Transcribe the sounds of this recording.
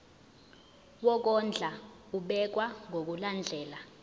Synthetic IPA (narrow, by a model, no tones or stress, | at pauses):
wɔk̬ɔnd͡ɮʱa | uɓɛk̬waŋʱok̬uland͡ɮʱɛːla